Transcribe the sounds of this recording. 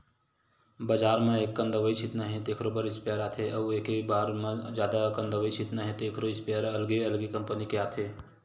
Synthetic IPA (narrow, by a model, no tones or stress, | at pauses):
bɐd͡ʒaːɾmẽeːkːə̃nd̪əʋəit͡ʃʰɪt̪naɦẽt̪eːkʰɾoːbəɾɪspːɾaːt̪ʰeʔɐʋeːkebaːɾmãd͡ʒjaːd̪akə̃nd̪əʋəit͡ʃʰit̪nɐɦẽt̪eːkʰɾoɪspəɾɐlɡeɐlɡekɐmpənikeaːt̪ʰeː